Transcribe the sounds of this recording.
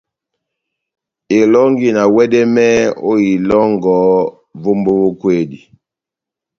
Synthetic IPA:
e˨lɔ˦ŋɡi˨na˨wɛ˦dɛ˦mɛ˦o˦i˨lɔ˦ŋɡɔ˨˦ | vo˦mbo˦vo˦kwe˦˨di˨

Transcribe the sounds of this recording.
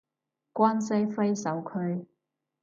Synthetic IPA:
kʷaː˥nsɐ˥jfe˥jsɐ˨˥wkʰɵ˧ɥ

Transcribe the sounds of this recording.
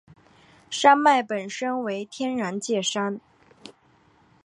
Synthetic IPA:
ʂa˥nma˥˩ɪpə˨˩nʂə˥nwe˧˥ɪt̪ʰjɛ˥nɻa˧˥nt͡ɕjɛ˥˩ʂa˥n

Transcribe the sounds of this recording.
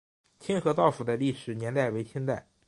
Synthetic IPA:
t͡ɕʰi˥nxɤ˧˥t̪ɑ˥˩ʊfu˨˩d̪ə˦li˥˩ʂɻ̩˨˩njɛ˧˥nt̪a˥˩ɪwe˧˥ɪt͡ɕʰi˥nt̪a˥˩ɪ

